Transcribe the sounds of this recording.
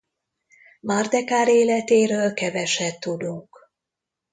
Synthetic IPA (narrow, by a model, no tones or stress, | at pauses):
mard̪ɛkaːɾeːlɛt̪eːɾøːlkɛvɛʃɛt̪ːud̪uŋk